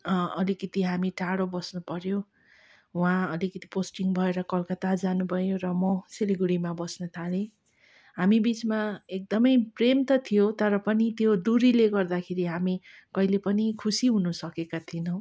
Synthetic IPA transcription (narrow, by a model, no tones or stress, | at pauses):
ʌlikʌt̪iɦamiʈaɽobʌsnupʌɾjo | wãʌlikʌt̪iposʈiŋbʱʌeɾʌkʌlkʌt̪ad͡zanubʱʌjoɾʌmʌsiliɡuɽimabʌsnʌt̪ʰale | ɦamibit͡smaek̚d̪ʌmʌjpremt̪ʌt̪ʰijot̪ʌɾʌpʌnit̪jod̪uɾileɡʌrd̪akʰeɾiɦami | kʌilepʌnikʰusiɦunʌsʌkekat̪ʰinʌw̃